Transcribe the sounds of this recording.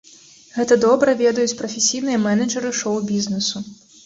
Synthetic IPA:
ɣɛt̪ɐd̪ɔbɾɐvʲɛd̪ɐjut͡sʲpɾɐfʲesʲijnɨjɐmɛnɐd͡ʐɐɾɨʂɔwbʲiznɛsu

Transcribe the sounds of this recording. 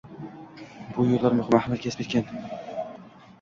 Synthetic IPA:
b̥ʊjollːaɾmʊχɪmahmat̪kʲʰespet̪̚ʲkʲan

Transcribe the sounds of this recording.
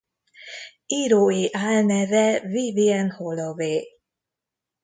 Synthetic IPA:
iɾoeʔaːlnɛvɛviviɛnholoveː

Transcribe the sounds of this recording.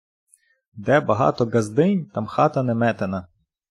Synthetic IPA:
d̪ɛbɐɦɑ̰t̪ɔɡɐzd̪ɪnʲt̪ɑmxɑt̪ɐnɛmɛt̪enɐ

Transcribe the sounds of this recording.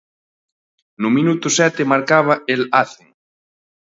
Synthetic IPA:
nʊmĩnut̪ʊsɛt̪ɪmaɾkaβ̞ɐelaθeŋ

